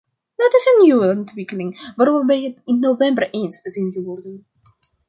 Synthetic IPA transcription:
dɔtɪsənjuəəntʋɪkəlɪŋʋaːɾɔmʋəbɛjətɪnːovɛmbərʔenszinɣəʋɔrdən

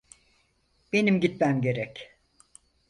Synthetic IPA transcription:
b̥e̞nimɟit̪̚mæmɟe̞ɾɛc

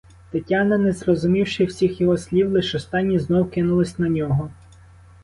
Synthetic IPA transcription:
t̪ɪtʲːanɐnezrɔzʊmʲiwʃɪwsʲixjɔɦɔsʲlʲiwlˠɪʃɔst̪ɑnʲːiznɔwkɪnʊlˠɪsʲnɐnʲɔɦɔ

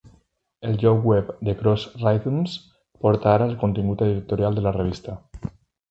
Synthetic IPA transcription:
elʒɔwɛpd̪ekɾosrajt̪uns | poɾt̪aɾalkont̪ĩŋɡut̪eðiɾek̚t̪oɾjald̪elareβ̞ist̪a

